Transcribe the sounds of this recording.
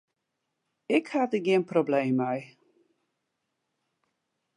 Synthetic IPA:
ɪkhatəɡiənproblejmœj

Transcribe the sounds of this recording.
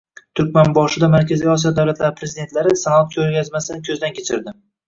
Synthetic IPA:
t̪ʰʊɾkʲmanbɒʃɪd̪amaɾkʲʰazijɒs̬ijɒd̪awlat̪laɾɪpʰɾe̞zid̪e̞nt̪laɾɪsanat̪̚kʲʰɵɾɡʲazmasɪnɪkʲʰɵzd̪ankʲʰe̞t͡ʃʰɪɾd̪ɪ

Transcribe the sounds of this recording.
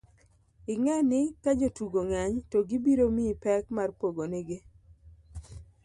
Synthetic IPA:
ɪŋɛnɪkad͡ʒotuɡoŋaɲtoɡɪbiɾomipɛkmarpoɡonɛɡe

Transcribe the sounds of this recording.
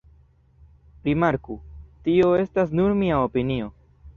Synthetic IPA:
ɾimaɾkutio̞e̞stasnuɾmiaopinio̞

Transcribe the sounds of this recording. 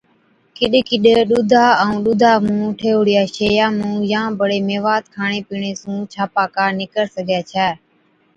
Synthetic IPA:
kɪɗkɪɗɗuːd̪ʱaːəũːɗuːd̪ʱaːmũːʈʰeːʊɽɪjaːʃeːjaːmũːjãːbəɽeːmeːʋaːt̪̚kʰaːɳeːpiːɳeːsũːt͡ʃʰaːpaːkaːnɪkəɾsəɡʱaːt͡ʃʰɛː

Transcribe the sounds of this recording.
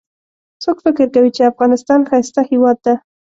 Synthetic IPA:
sokfɪkɪɾkawit͡ʃeafɣɑnɪst̪ɑnxajst̪ahɪwɑd̪̚ːa

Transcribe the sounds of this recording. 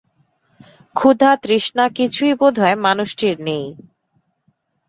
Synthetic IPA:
kʰud̪ʱat̪ɾiʃnakit͡ɕʰujbod̪ʱɔemanuʃʈiɾnej

